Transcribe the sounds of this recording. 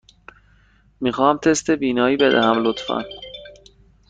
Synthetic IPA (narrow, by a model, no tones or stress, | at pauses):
miːxɒːmt̪ʰest̪e̞biːnɒːiːbe̞d̪æ̰hæmlot̪fæ̰n